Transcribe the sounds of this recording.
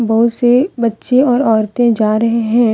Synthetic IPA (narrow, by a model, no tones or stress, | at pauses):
bɐɦʊt̪sebɐtːʃẽɔːɾɔːɾt̪ẽd͡ʒaːɾɐɦeɦɛ̃ː